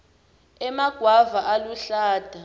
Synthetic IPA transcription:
ɛmaɡ̥ʱwavaʔaluɬaːd̥ʱa

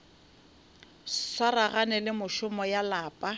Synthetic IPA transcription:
saɾaɣanɛlɪmʊʃʊmɔjalaːpʼa

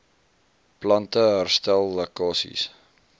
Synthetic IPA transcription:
plɐntəɦærstælˠːəkɑːsḭs

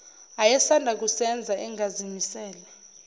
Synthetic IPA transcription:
ajɛsandʱak̬usɛnd͡zʱaʔɛŋʱazimisɛːla

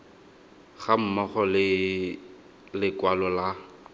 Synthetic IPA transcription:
χam̩mɔχɔlɪ | lɪkwalɔla

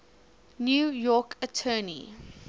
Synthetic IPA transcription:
njuːjɔːkʰətʰɜːnḭ

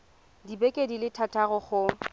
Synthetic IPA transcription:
dibɛkʼedilɪtʰatʼaɣʊχʊ

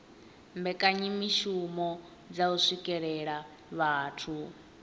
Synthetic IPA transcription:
mbɛkʼaɲimiʃumɔ | d͡zausʷikʼɛɺɛɺa | βaːtʰu

